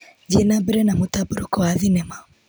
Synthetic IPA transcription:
d͡ʒɛnabiɾɛnamutabuɾukɔaðinɛma

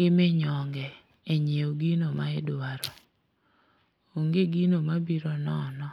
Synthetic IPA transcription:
ɡɪmeɲɔŋɡɛ | eɲeoɡinomaɪdaɾɔ | oŋɡeɡinomabiɾɔnɔnɔ

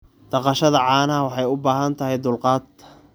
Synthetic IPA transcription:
d̪̥ɑqɑʃɐðɐʕɑːnɐɐwɑħɑjʊbaːɦɐnt̪ʰɐɦɛjd̪ʊlqɑːd̪̚kʰɐ̥

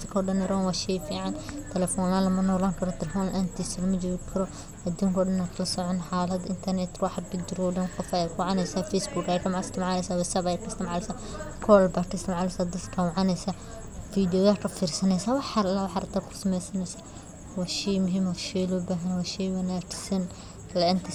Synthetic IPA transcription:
kʰɔːɖɐnɪɾɔnwaʃɛjfiːʕɑnt̪ʰɛlɛfɔːnalɐmɐnɔːlaːŋkʰɐɾɔt̪ʰɛlɛfɔːnʔant̪ʰiːsɐlɐmɐd͡ʒɔːɣɪkʰɐɾɔ | ɐd̪uːŋkʰɔːɖɐnaːkʰɐlɐsɔʕɔnħaːlɐd̪ɪnt̪ʰɐrnɛt̪wɑħbɪd͡ʒɪɾɔːɖɐnqɔfaɛkʰwaʕɑnɛjsaːfɛjsbukajɾɐmaɪst̪ʰɪmʕɑlɛsaːwɛsabajɛkʰɐst̪ɪmʕalɛsaː | kʰɔːlbaːkʰɐst̪ʰɪmʕalɛsaːd̪ɐd̪kʰɐwɑʕɑnɛjsa | fiːd̪ɪjɔðaːkʰɐfiːɾsɐnɛjsaːwɑħaɾlawɑħaɾɐt̪ʰaːkʰʊ̥sɐmɛjsɐnɛjsaː | wɑʃijmʊɦiːmwɑʃɛlɔːbaːɦɐnwaʃɛjwɐnaːt͡ʃɪ̥sɐn | lɐʕɪnt̪ʰɐ

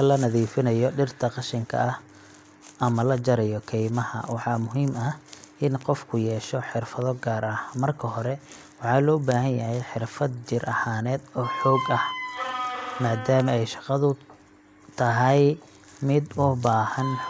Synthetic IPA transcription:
ɐlɐnɐðiːfɪnɐjɔɖɪrt̪ʰɐqɑʃɪŋkʰɐ̰ʔɐh | ʔɐmɐlɐd͡ʒɐɾɐjɔkʰɛjmɐhɐ̰wɑħɑːmʊɦiːmɐɪnqɔfkʰʊjɛːʃɔħɪrfɐðɔɡaːɾʔɐhmɐrkʰɐɦɔɾɛ | wɑħɑːlɔːbaːɦɐnjɐɦɛjħɪrfɐd̪̚t͡ʃɪrʔɐhaːnɛːd̪ɔːħɔːɡɐh | maːd̪aːmɐɛjʃɑqɑðʊ | t̪ʰɐɦɛj | mɪd̪ʊbaːhɐn

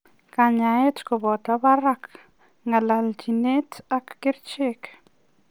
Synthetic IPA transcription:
kaɲaetkɔbɔtabaɾak | ŋɡalald͡ʒinetakːɪɾt͡ʃek

